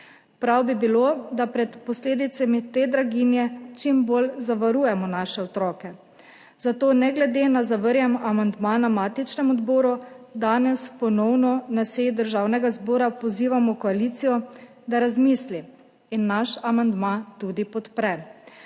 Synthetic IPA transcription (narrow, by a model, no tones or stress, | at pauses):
pɾawbibilod̪apɾɛt̪pɔsleːd̪it̪samit̪eːd̪ɾaɡinjɛt͡ʃimbolzaʋaɾuːjɛmɔnaːʃɛɔt̪ɾɔːkɛ | zat̪oːnɛɡlɛd̪enazaʋəɾjɛmamand̪maːnamaːt̪it͡ʃnɛmɔd̪boːɾud̪aːnɛspɔnɔwnɔnaseːjid̪əɾʒawnɛɡazboːɾapɔziːʋamɔkɔaliːt̪sijɔ | d̪aɾazmisli | inːaʃamand̪mat̪ud̪ipɔt̪pɾɛ